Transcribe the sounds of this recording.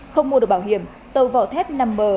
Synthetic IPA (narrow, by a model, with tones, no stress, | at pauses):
xə˧wŋ͡mmu˧ɗɨ˨˩k̚ɓa˧wɦi˧˨əm | t̪ə˧˩wva̰ː˧˨t̪ʰɛ˦˥p̚na˧mːəː˨˩